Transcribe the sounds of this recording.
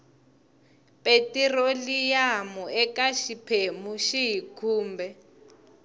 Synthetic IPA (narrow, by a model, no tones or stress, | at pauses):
pʼetirolijamuɛkaʃipʰemuʃiɦikʰuːmbɛ